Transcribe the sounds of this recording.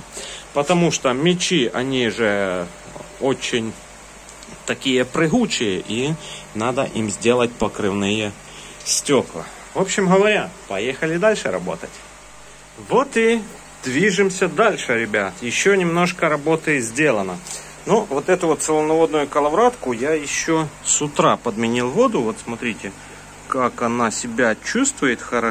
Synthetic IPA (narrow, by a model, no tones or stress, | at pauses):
pət̪ɐmuʂt̪omʲɪt͡ɕiɐ̰nʲiʐɛ | ot͡ɕɪnʲ | t̪ɐkʲijəpɾɨɦut͡ɕɪjəʔinad̪ə̰ʔimzʲdʲe̞lˠət̚ʲpɐkɾɨvnɨjə | sʲtʲoklˠɐ̰ | vo̞pɕɪmɦɐvɐɾʲapɐjexɐlʲɪd̪alʲʂɨɾɐ̰bo̞̰t̪ətʲ | vo̞t̪ɪ | d̪̥vʲiʐɨmsʲɐd̪alʲʂɨɾʲɪbʲat̪jɪɕːonʲɪmno̞ʂkəɾɐbo̞t̪ɨzʲdʲe̞lˠənə | nuvot̪ɛt̪ʊvot̪sɨlˠənɐvo̞d̪nʊjʊkɐlˠɐvɾat̪kʊjajɪɕːosʊt̪ɾapəd̪mʲɪnʲilˠvo̞d̪ʊvo̞t̪smɐt̪ɾʲitʲɪ | kakɐnasʲɪbʲat͡ɕust̪vʊjɪt̪xɐɾɐ